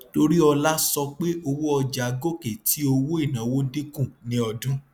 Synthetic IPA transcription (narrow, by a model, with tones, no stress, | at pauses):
to˧ɾi˦ɔ˧la˦sɔ˧k͡pe˦o˧wo˦ɔ˧d͡ʒa˨ɡo˦ke˨ti˨˦o˧wo˦i˦˨nã˨wo˦di˦kũ˦˨nĩ˦ɔ˧dũ˦